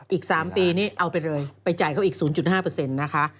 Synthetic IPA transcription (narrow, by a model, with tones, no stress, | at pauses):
ʔiː˨˩k̚saː˩˦mpiː˧niː˦˥˩ʔa˧wpa˧jɾɤː˧jpa˧jt͡ɕa˨˩jkʰa˦˥wʔiː˨˩k̚suː˩˦nt͡ɕu˨˩t̪̚ɦaː˥˩pɤː˧se˧nːa˦˥kʰa˦˥ʔ